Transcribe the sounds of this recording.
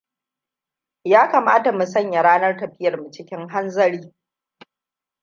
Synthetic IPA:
jaː˦kɐ˨maː˦ta˨mu˨sɐ˦˨ɲja˨ɽaː˦nɐ˦rtɐ˨ɸɪ˦jɐ˨rmu˨t͡ʃɪ˦kʲɪ˦ŋɦa˦nzɐ˦ɽiː˦

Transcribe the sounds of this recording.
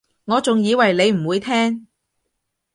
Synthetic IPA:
ŋɔː˨˧t͡sʊ˨ŋjiː˨˧wɐ˨˩jle˨˧jm̩˨˩wuː˨˧jt̪ʰɛː˥ŋ

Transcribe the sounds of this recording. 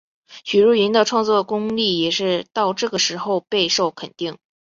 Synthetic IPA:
ɕy˨˩ɻu˥˩i˧˥nd̪ə˧ʈ͡ʂʰwɑ˥˧ŋt͡swɔ˥˩kʊ˥ŋli˥˩jɛ˨˩ʂɻ̩˥˧t̪ɑ˥˧ʊʈ͡ʂɤ˥˩ɡə˩ʂɻ̩˧˥xo˥˧ʊpe˥˧ɪʂo˥˩ʊkʰə˨˩nt̪i˥˩ŋ

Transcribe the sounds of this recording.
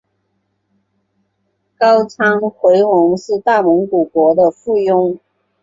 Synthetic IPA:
kɑ˥ʊt͡sʰɑ˥ŋxwe˧˥ɪwʊ˧˥ŋʂɻ̩˥˧t̪a˥˩mʊ˧˥ŋku˨˩kwɔ˧˥d̪ə˧fu˥˩jʊ˥ŋ

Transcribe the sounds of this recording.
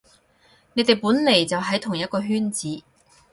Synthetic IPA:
ne˨˧jt̪e˨jpuː˨˥nle˨˩jt͡sɐ˨wɦɐ˨˥jt̪ʰʊ˨˩ŋjɐ˥t̚kɔː˧ɦyː˥nt͡siː˨˥

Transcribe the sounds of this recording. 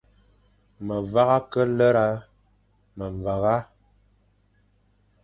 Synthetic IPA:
mə˨va˦ɣa˦kə˦lə˦ɾa˦ | mə˨ɱ˨va˨ɣa˦

